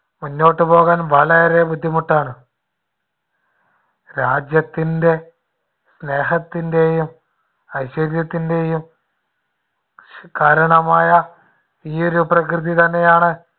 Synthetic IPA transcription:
munːo̞ːʈːɨpo̞ːɣaːnʋɐɭɐɾe̞bud̪ʱːimuʈːaːɳɨ | ɾaːd͡ʑjɐt̪ːinde̞ | sne̞ːɦɐt̪ːinde̞jum | ɐjɕɐɾjɐt̪ːinde̞jum | kaːɾɐɳɐmaːjɐ | iːo̞ɾuprɐk̬rɨðit̪ɐnːe̞jaːɳɨ

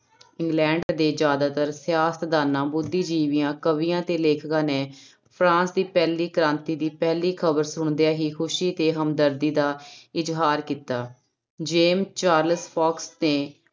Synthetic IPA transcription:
ɪŋɡlɛ̃ːɳɖd̪eːd͡ʒjaːd̪aːt̪əɾsjaːst̪d̪aːnãːbʊd̪ːiːd͡ʒiːʋɪjãːkəʋijãːt̪eːleːkʰkãːneː | pʰɾãːnsd̪iːpɛːliːkəɾãːnt̪iːd̪iːpɛːliːkʰəbəɾsʊɳd̪ejaːɦiːkʰʊʃiːt̪eːɦəmd̪əɾd̪iːd̪aːɪd͡ʒɦaːɾkiːt̪aː | d͡ʒeːmt͡ʃaːɾləspʰɔːksneː

